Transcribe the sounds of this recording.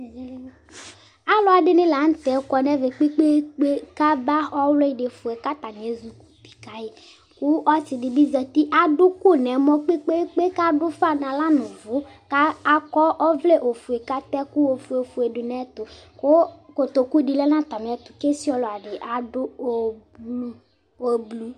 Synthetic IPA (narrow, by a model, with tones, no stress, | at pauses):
a˦lɔ˦a˨dɪ˨nɪ̃˦la˨˦n̩˦t̪ɛ˨˦kɔ˨nɛ˦vɛ˨k͡pi˦k͡pe˦k͡pe˦ka˦ba˦ɔ˦wlɔ˦i˨dɪ˨fu˨ɛ˨ka˦t̪a˨n˨e˨˦zu˨ku̥˨pi̥˨ka˨jɪ˨ | kʊ˦ɔ˦tɪ˨dɪ˨bi˦zɛ˨t̪i˦ʔa˨dʊ˦kʊ˦˨nɛ˨mɔ̃˦k͡pe˦k͡pe˦k͡pe˦ka˦dʊ˦fa˦nã˨la˦nʊ̃˨vʊ˨˦ | ka˦a˨kɔ˦ʔɔ˦vle˦ʔo˨fu˨e˨ka˦t̪ɛ˦ku˦o˨fu˨e˨fu˨e˨dʊ˨nɛ˦t̪ʊ˨kʊ˦ko˨t̪o˨ku˦di˨lɛ˦nã˦t̪a˨m˨ɛ˨t̪ʊ˨ke˦si˦ɔ˦lɔ˨a˨ɖɪ˨ʔa˨dʊ˦o˨blu˦ | o˦blu˦